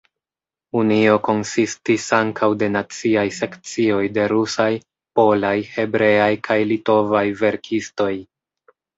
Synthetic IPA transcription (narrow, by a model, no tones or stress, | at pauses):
unio̞ko̞nsistisaŋkʰawde̞nat͡siajse̞kt͡sio̞jde̞ɾusaj | po̞lajhe̞bɾe̞ajkʰajlito̞vajve̞ɾkʰisto̞j